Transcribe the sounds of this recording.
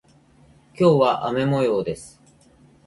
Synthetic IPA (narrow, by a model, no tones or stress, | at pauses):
kʲo̞ːβaʔame̞mo̞jo̞ːd̪e̞sɨ̥